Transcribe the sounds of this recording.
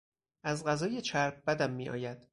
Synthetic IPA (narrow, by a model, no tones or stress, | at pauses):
ʔæzɢæzɒːje̞t͡ʃʰæɾb̚bæd̪æmːiːɒ̰ːjæd̪̥